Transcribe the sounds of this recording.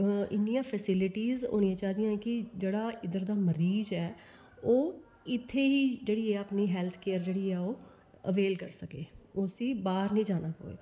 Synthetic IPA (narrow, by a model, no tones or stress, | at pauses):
ɪnːijãːpʰɛsɪlɪʈiːzo̰ːnijãːt͡ʃaːd̪ijãːɛkɪd͡ʒeːɽaːʔɪd̪əɾd̪aːməɾiːzɛː | oː | ɪt̪ʰːeːiːd͡ʒeːɽiːɛːapniːɦɛːlt̪ʰkeːəɾd͡ʒeːɽiːɛːoː | əʋeːlkəɾsəkeːosĩːbaːɾnĩːd͡ʒaːnaːko̰ːḛː